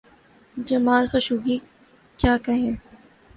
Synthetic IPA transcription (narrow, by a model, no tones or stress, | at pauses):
d͡ʒɐmaːlxɐʃuːɡi | kjaːkɐɦẽː